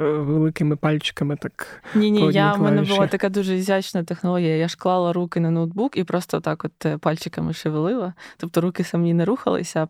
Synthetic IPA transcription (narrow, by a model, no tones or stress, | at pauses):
ʋelˠɪkɪmɪpalʲt͡ɕɪ̥kɐmɪt̪aknʲenʲejʲaʊmɛnɛbɨlˠat̪ɐkajd̪uʐɨɪzʲat͡ɕnɐjət̪ɨxnɐlˠoɡʲɪjɐjaʂklˠɑlˠɐɾukʲɪnɐnod̪̚bukipɾost̪ɐɔt̪akot̪palʲt͡ɕɪkɐmɨʂɨʋɨlˠɨlˠɐt̪ɔp̚t̪ɔɾukʲɪsɐmnʲinɐɾuxɐ̰lˠɨ̰sʲɐ